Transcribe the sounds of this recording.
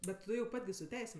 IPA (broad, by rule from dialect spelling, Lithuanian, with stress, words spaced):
ˈbʲɛt ˈtʊ jɛʊ ˈpɐtʲ ɡʲɪ sʊ ˈtʲɛɪsʲeːm